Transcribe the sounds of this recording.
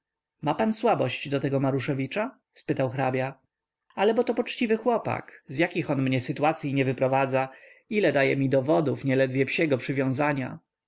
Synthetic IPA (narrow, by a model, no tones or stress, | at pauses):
mapanswabɔɕd͡ʑd̪ɔt̪ɛɡɔmaɾuʂɛvʲit͡ʂa | spɘt̪awxɾabʲja | alɛbɔt̪ɔpɔt͡ʂt͡ɕivɘxwɔpa̰kzjakʲixɔnmɲɛsɘt̪uat̪sʲjiɲɛvɘpɾɔvad̪za | ilɛd̪ajɛmʲid̪ɔvɔd̪ufɲɛlɛd̪vʲjɛpɕɛɡɔpʂɘvʲjɔ̃w̃zaɲa̰